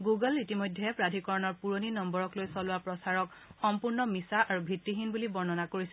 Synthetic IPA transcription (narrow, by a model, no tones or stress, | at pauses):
ɡuɡɔlitimojdʱːɛpɹadʱikɔɹɔnɔɹpuɹoninɔmbɔɹɔklojsɔlʊwapɹɔsaɹɔk | xɔmpuɹnɔmisaʔaɹubʱitɹiɦinbulibɔɹnɔnakoɹisɛ